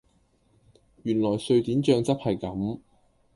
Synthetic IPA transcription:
jyː˨˩nlɔː˨˩jsɵ˧ɥt̪iː˨˥nt͡ʃœː˧ŋt͡sɐ˥p̚hɐ˨jkɐ˨˥m

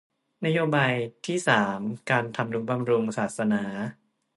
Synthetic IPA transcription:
na˦˥joː˧baː˧jt̪ʰiː˥˩saː˩˦mkaː˧nt̪ʰa˧mdu˨˩˦ba˧mɾu˧ŋsaː˨˩t̪̚sa˧naː˩˦

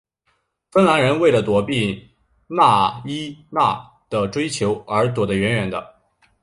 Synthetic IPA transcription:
fə˥nla˧˥nɻə˧˥nwe˥˩ɪlə˩t̪wɔ˧˥pi˥˩ | na˥˩i˥na̰˥˩ | d̪̥ə˨˩ʈ͡ʂwe˥ɪt͡ɕʰjo˧˥ʊə˞˧˥t̪̬wɔ˨˩d̪ə˦ɥɛ˧˥nɥɛ˧˥nd̪ə̰˧

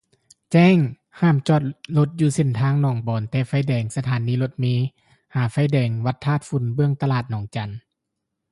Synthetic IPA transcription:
t͡ɕɛː˧˥˨ŋ | haː˧˥˩mt͡ɕɔː˧˩t̪̚lo˧t̪̚juː˧˦se˧˩˨nt̪ʰaː˧˥ŋnɔː˨˩˦ŋbɔː˨˦nt̪ɛː˧fa˧˥˨jdɛː˨˩ŋsa˧t̪ʰaː˨˦nːiː˧lo˧˦t̪̚miː˧˥ | haː˨˦fa˧˥˨jdɛː˨˦ŋwa˧˦t̪ʰːaː˧˥˩t̪̚fu˨˧˦nbɯ˧əŋt̪a˧laː˧˩t̪̚nɔː˨˩˦ŋt͡ɕa˨˦n

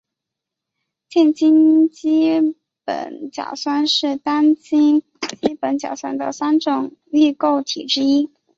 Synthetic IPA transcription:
t͡ɕjɛ˥˩nt͡ɕi˥nt͡ɕi˥ | pə̰˨˩nt͡ɕjɑ̰˨˩ʊswa˥nʂɻ̩˥˩t̪a˥nt͡ɕi˥n | t͡ɕi˥pə˧˥nt͡ɕjɑ˨˩ʊswa˥nd̪ə̰˨sa˥nʈ͡ʂʊ˨˩˦ŋy˥˧ko˥˩ʊt̪ʰḭ˨˩ʈ͡ʂɻ̩˥i˥

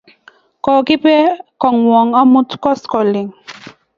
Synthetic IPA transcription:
kɔ˨kɪ˦pɛ˦kɔ˨ŋwɔ˨ŋa˦mu˦tkɔ˦skɔ˨li˨ŋ

